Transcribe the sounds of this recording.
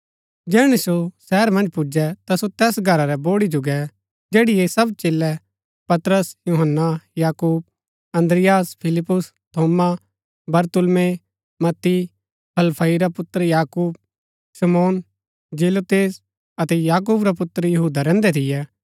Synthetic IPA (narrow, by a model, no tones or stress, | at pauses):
d͡ʒɛːɽ̃isosɛːɾmɐ̃nd͡ʒpʊd͡ʒɛt̪asot̪ɛːsɡʱɐɾaɾɛboːɽid͡ʒʊɡɛ | d͡ʒeːɽɪjesɐbt͡ʃeːlːɛ | pɐt̪ɾəsjuɦənːajaːkuːb̚ | ɐ̃nd̪ɾɪjaːspʰɪlɪpːʊs | t̪ʰoːma | bɐɾt̪ʊlme | mɐt̪ːi | pʰɐlpʰɐiɾapʊt̪ːəɾjaːkuːb̚ | sɐmoːn | d͡ʒeːlot̪eːs | ɐt̪ɛjaːk̬uːbɾapʊt̪ɾjɐɦuːd̪aɾɛ̃ːnd̪ɛt̪ʰɪjɛː